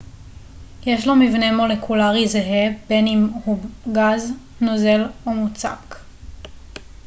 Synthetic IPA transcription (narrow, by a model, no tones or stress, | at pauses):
je̞ʃ̬lomivne̞mo̞le̞kʰulaʁizeɦebe̞nimhuɡaz | noze̞lomut͡sa̰k